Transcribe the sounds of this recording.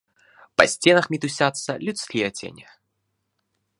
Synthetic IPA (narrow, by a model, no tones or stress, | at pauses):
pɐsʲt͡sʲenɐxmʲit̪usʲat̪sːɐlʲut̪slʲiɐtt͡sʲḛnʲɪ